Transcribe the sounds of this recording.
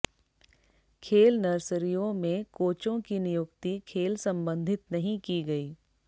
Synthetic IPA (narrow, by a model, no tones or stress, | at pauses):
kʰeːlnɐɾsəɾijõmẽkoːt͡ʃõkinɪjʊkt̪ikʰeːlsɐ̃mbə̃nd̪ʱɪt̪nɐɦĩkiɡɐiː